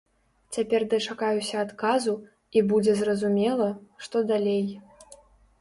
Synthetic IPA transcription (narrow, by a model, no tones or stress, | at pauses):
t͡sʲapʲɛrd̪ɨt͡ʂakajusʲɐːt̪kazu | ibud͡zʲɛzrɐzumʲɛlˠɐʂt̪ɔd̪alʲej